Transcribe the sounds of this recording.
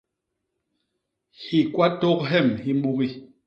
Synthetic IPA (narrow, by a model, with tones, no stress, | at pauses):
hi˨kwa˦tɔ˦k̚ɦɛ˦˨mhi˦ɓu˦ɣi˦